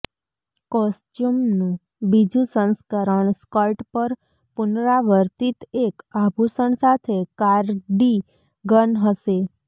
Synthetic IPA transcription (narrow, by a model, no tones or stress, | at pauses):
kɔsʈjumnũ | bid͡ʒũsə̃nskəɾəɳskəlʈpəɾ | pʊnɾaʋəɾt̪it̪ekabʱusəɳsat̪ʰekaɾɖi | ɡənɦəʃe